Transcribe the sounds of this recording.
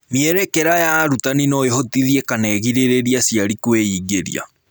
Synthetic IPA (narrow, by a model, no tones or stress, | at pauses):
miɛɾɛkɛɾajaɾutaninoeɦotiðiekanɛɣiɾeɾeɾiasiaɾikweiɡeɾḭa̰